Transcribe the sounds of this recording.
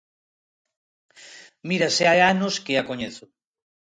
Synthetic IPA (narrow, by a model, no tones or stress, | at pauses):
miɾaseajanoskeakoɲeθo